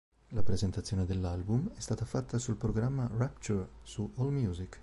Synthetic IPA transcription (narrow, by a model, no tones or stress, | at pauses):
lapɾezent̪at̪sːjoːned̪elːalbumɛst̪aːt̪afat̪ːasulpɾoɡɾamːarapt͡ʃursuʔɔlmjuːzik